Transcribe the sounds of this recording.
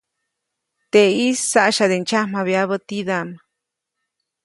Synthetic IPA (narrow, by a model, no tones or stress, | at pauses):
t̪eisːaʔʃad̪ent͡ʃʰamaβeaβət̪iðam